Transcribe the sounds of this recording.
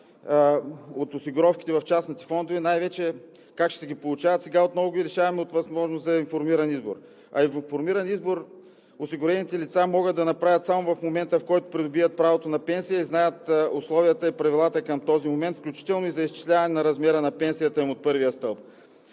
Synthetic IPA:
ot̪ʊsiɡʊɾɔfki̥t̪ɛvɐft͡ʃasnit̪ɛ̥fɔnd̪ʊvɛnajvɛt͡ʃɛ | kakʃt̪ɛɡʲipolˠʊt͡ʃavət̪sɛɡaot̪nɔvʊɡiɾɛʃavɐmɛot̪vɐzmɔʒnosɐinfoɾmiɾɐnizbo̰ɾ | ɐ̰ivɐfoɾmiɾɐnizboɾ | ʊsiɡʊɾɛnit̪ɛlit̪samɔɡəd̪ːɐnɐpɾavʲjʲət̪samʊvɐfmomɛnt̪əfkɔjt̪ʊ̥pɾid̪ʊbiət̪̚pɾavot̪onɐpɛnsijəiznajət̪oslˠɔvijət̪əipɾɐvilˠat̪əkɐmt̪ɔzimomɛnt̪fklʲut͡ʃi̥t̪ɛlˠnʊizɐist͡ʃi̥slʲavɐnɛnɐɾɐzmɛɾənɐpɛnsijət̪əimot̪̚pɤɾvijəst̪ɤlˠp̚

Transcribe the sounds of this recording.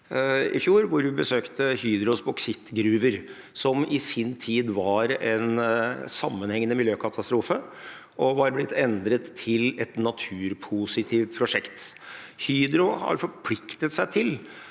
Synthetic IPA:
ɪ̰fjuːɾʋʊɾʋɪbəsøːkt̪əhyːd̪ɾʊsbʊksɪt̪ːɡɾʉːʋəɾ | sɔmɪsɪnt̪ʰiːd̪ʋɑɾɛnsɑmːənhɛŋːənəmɪljøːkʰɑt̪ʰɑst̪ɾuːfə | ʔɔʋɑɾblɪt̪ʰːɛnd̪ɾət̪ʰːɪlɛt̪nɑt̪ʰʉːɾpʰʊsɪt̪ʰiːft̪̚pʰɾʊʂɛkt̪hyːd̪ɾʊhɑ̰ɾfɔɾpʰlɪkt̪ət̪sæɪt̪ʰɪl

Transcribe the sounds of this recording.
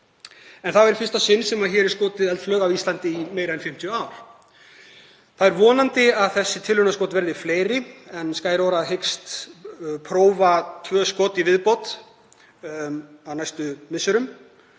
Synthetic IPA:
ɛnθaðɛɾ̥fɪrst̪asɪnːsɛmaðçɛːɾɛɾ̥skoːt̪ɪðɛlt̪flœːɣavist̪lant̪ɪimeːjɾaðɛnfɪm̥t̪ʰjʏaːwɾ̥ | θaðɛɾvɔːnant̪ɪaðθɛsːɪt̪ʰɪlːʏnaskowt̪vɛɾðɪ̥fleːjɾɪɛnskaːjɾoːɾaðɦejkst̪ | pʰɾoːwvat̪ʰvœːskoːt̪ivɪðpowt̪ | awnajst̪ʏmɪsːʏɾʏm

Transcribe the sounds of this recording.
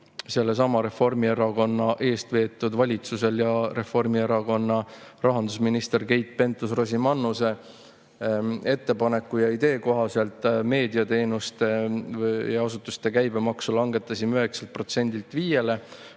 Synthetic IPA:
se̞lːe̞s̬ɑmɑɾe̞fo̞rmieɾɑko̞nːɑʔe̞ːst̪ve̞ːt̪ːˑud̪vɑlʲit̪suse̞ljɑre̞fo̞rmie̞ɾɑko̞nːɑrɑɦɑnd̪̥usminist̪e̞rke̞jt̪̚ˑpe̞nt̪ːˑusro̞simɑnːuse̞ | e̞t̪ːe̞pɑne̞kːˑujɑid̪e̞ːko̞ɦɑse̞lt̪ˑme̞ːd̪iɑt̪e̞ːnust̪e̞ | jɑɑsut̪ːˑust̪e̞kæjb̥e̞mɑksulɑŋɡe̞t̪ːˑɑsimyɦe̞kselt̪̚pro̞t̪se̞nʲd̪ilt̪ˑviːje̞le̞

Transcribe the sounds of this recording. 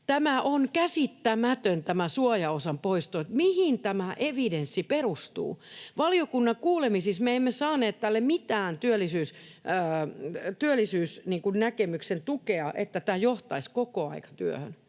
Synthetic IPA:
t̪æmæʔonkæsit̪ːæmæt̪ønt̪æmæsuɑjɑosɑmpoist̪oet̪mihint̪æmæʔeʋidensːiperust̪ṵːʋɑliokunːɑŋkuːlemisismeemːesɑːneːt̪t̪ælːemit̪æːnt̪yølːisyːs | t̪yølːˑisyːsniːŋkunnækemyksent̪ukeɑʔḛt̪ːæt̪æːjoht̪ɑiskokoɑ̰ikɑ̥t̪yø̰hø̰n

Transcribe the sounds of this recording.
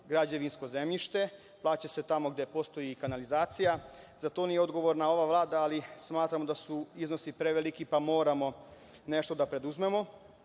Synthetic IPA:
ɡɾad͡ʑe̞ʋinsko̞ze̞mʎiʃt̪e̞ | plˠaːt͡ɕese̞t̪amo̞ɡd̪e̞po̞st̪o̞jikanalizaːt̪sijazat̪o̞nijeo̞d̪ɡo̞ʋo̞ɾnao̞ʋaʋlˠaːd̪aːlismaːt̪ɾamo̞d̪asuizno̞sipɾe̞ʋelikipamo̞ːɾamo̞ | ne̞ʃt̪o̞d̪apɾe̞d̪uzme̞mo̞

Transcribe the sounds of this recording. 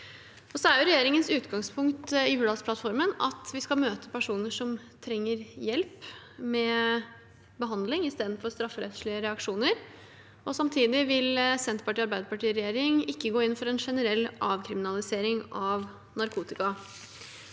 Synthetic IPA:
ɔsɔæɾjʊɾɛjeːɾɪŋənsʉːt̪ɡɑŋspʰʊŋkt̪ɪʉːɑspʰlɑt̪fɔɾmənɑ̰t̪ʋɪskɑmøːt̪əpæʂuːnəʂɔm | t̪ʰɾɛŋːəɾjɛlp | mɛ | bəɦɑnd̪lɪŋɪst̪eːd̪nfɔɾst̪ɾɑfːəɾɛ̰t̪ʂɭɪəɾɛɑkʂuːnəɾ | ɔsɑmt̪ʰiːd̪ɪʋɪlsɛnt̪pɑʈiːɑɾbæɪd̪əpɑʈiːɾɛjeːɾɪŋɪkːəɡoːɪnːfɔɾɛnʂɛnəɾɛlːɑːʋkʰɾɪmɪnɑlɪseːɾɪŋɑʋ | nɑɾkʰuːt̪ɪkɑ

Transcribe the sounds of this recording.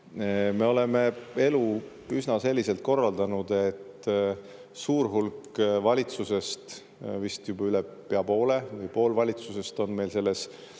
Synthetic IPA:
me̞o̞le̞me̞e̞lu | ysnɑse̞lʲːiselt̪̚ko̞rːɑld̪̥ɑnud̪̥e̞t̪ː | suːɾɦulkvɑlʲit̪suse̞st̪ | vist̪jubɑylepeɑpo̞ːle̞vɯjpo̞ːlvɑlʲit̪suse̞st̪o̞nme̞jlse̞lːe̞s

